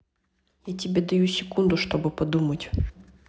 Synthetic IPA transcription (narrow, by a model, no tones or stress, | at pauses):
jatʲɪbʲed̪ɐjusʲɪkund̪ʊʂt̪obɨpɐd̪umətʲ